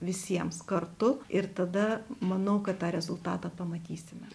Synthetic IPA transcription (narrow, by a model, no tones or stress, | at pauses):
ʋʲɪsʲiɛmskɐrt̪ʊɪɾt̪ɐd̪ɐmɐnɐʊkɐt̪t̪ɑːɾʲɛzʊlˠt̪ɑːt̪ɑːpɐmɐt̪ʲiːsʲɪmʲɛ